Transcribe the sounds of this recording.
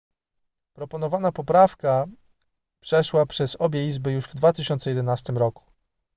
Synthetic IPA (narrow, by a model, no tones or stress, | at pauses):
pɾɔpɔnɔvanapɔpɾafka | pʂɛʂwapʂɛzɔbʲjɛizbɘjuʐvd̪vat̪ɘɕɔnt̪sɛjɛd̪ɛnast̪ɘmɾɔku̥